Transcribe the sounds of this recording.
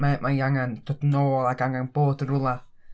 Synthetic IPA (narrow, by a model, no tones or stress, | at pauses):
mamʔajaŋant̪ɔt̪nolaɡaŋanpotəɾula